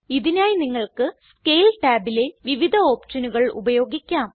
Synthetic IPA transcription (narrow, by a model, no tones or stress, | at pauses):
iðinaːjiniŋːɐɭkɨskejlʈaːbile̞ʋiʋid̪ʱɐo̞ːpʂɐnuɣɐɭṵbɐjo̞ːɡikʲːaːm